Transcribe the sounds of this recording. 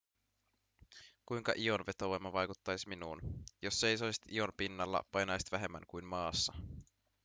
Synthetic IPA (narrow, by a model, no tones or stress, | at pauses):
kujŋkɑ̰ʔio̞nʋe̞t̪oʋomːɑʋɑjkut̪ːɑjsminuːnjo̞sːe̞jso̞isi̥t̪io̞mpinːɑlːɑ̰pɑjnɑjsit̪ʋæɦe̞mːæ̰ŋkujnmɑːsːɑ